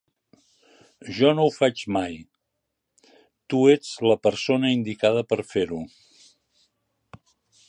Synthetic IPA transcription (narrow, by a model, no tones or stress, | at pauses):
ʒɔnowfat͡ʃmaj | t̪ued͡zləpəɾsonəind̪ikað̞əpəɾfeɾu